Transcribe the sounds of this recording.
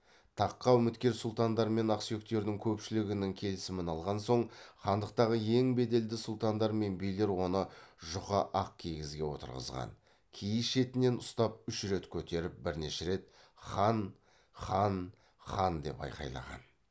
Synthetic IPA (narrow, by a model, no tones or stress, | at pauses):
t̪ʰɑqːɑʏmɪt̪kʲe̞ɾsʊlˠt̪ɑnd̪ɑɾme̞nɑqsijo̞k̚t̪e̞ɾd̪ɪŋkʲʰɵpʃɪlɪɡʲɪnɪŋkʲʰe̞lɪsɪmɪnɑlˠʁɑnso̞ɴχɑnd̪əqt̪ɑʁəe̞ŋbe̞d̪e̞ld̪ɪsʊlˠt̪ɑnd̪ɑɾme̞nbijle̞ɾwo̞nəʒʊqəʔɑq̚kʲʰejɡʲɪzɡʲe̞wo̞̰t̪ə̰ɾʁə̰zʁɑ̰n | kʲʰijɪsʃe̞t̪ɪne̞nʊst̪ɑp̚ʏʃɾe̞t̪kʲʰɵt̪e̞ɾɪp̚bɪɾne̞ʃeɾe̞t̪̚ | χɑn | χɑn | χɑnd̪e̞̰pɑ̰jqɑ̰jlˠɑ̰ʁɑ̰n